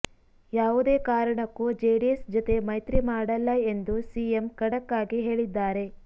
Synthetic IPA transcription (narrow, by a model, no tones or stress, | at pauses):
jaːʋud̪eːkaːɾɐɳɐkːud͡ʒeːɖiesd͡ʒɔt̪e̞mɐjt̪ɾimaːɽɐlːɐe̞nd̪usiemkɐɽɐkːaːɡiɦe̞ːɭid̪ːaːɾe̞